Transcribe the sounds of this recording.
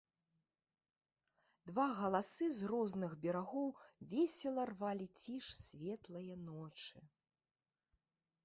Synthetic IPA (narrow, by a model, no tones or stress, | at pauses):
d̪vaɣɐlˠasɨzrɔznɨɣbʲɛɾaɣɔwvʲɛsʲɛlˠɐrvalʲit͡sʲiʂsʲvʲɛt̪lˠɐjɐnɔt͡ʂɨ